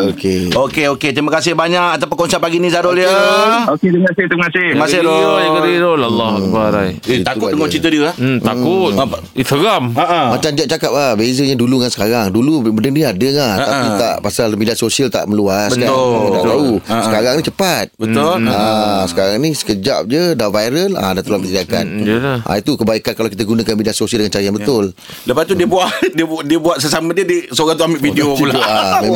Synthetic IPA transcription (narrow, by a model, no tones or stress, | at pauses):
okeokeoket̪ɾimakasɪhbaɲakat̪apʊnkɔnsaʔpaɡinĩzadoljaoket̪əŋasɪht̪iməŋasɪmasɪoakəɾiɾolalːɔhbaɾaiak̪ʊdəŋɔt͡ʃit̪ədiəht̪akʊt̪̚ | instaɡamaʔmat͡ʃamdiaʔ̚t͡ʃakap̚ahbezəɲaduluŋansə̥kaɾaŋdulubəndəŋdiadəŋat̪ait̪a̰ʔpasalmediasosialt̪a̰ʔmə̃luasbəkamat̪a̰ʔ̪ausəkaɾaŋnit͡ʃəpat̪̚bət̪ʊasə̥kaɾaŋnisə̥kəd͡ʒa̰p̚d͡ʒədavajɾəla̰dat̪ulampit̪iaka̰nʔa̰it̪ukəbaikankalawkit̪aɡunakanmidiasosiəldəŋant͡ʃaɾəjanbət̪ʊl | ləpast̪udiəbuaʔdiədiəbuaʔsəsamãdiədəsoɣãŋt̪uambiʔfideopulaame